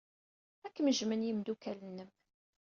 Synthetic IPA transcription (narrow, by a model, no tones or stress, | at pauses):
ækːməʒmənjəmd̪ukælənːəm